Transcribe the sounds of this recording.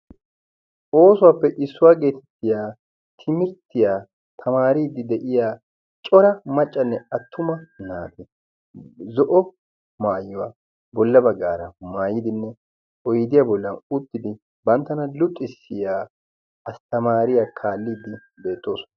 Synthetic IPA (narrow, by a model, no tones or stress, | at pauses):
ʔo̞ːsʊwaːpːɛʔɪsːʊwaːɡe̞ːt̪ʰɛ̥t̪ːɪjaː | t̪ʰɪmɪɾt̪ːɪjaː | t̪ʰɐmaːɾiːd̪ːɪd̪ɛʔɪjaː | t͡ʃʼɔɾɐmɐt͡ʃʼːɐnːɛɐt̪ːʊmɐnaːd̪ɛ | zɔʔɔ | maːjːɔwa | bɔlːɐbɐɡːaːɾɐmaːjɪd̪ɪnːɛ | ɔjɪd̪ɪjabɔlːɐnʊt̪ːɪd̪ɪ | bɐnt̪ːɐnɐlʊt̪ʼːɪsːɪjaː | ɐst̪ɐmaːɾɪjaːkʰaːlːiːd̪ːɪ | be̞ːt̪ːo̞ːsɔ̥nɐ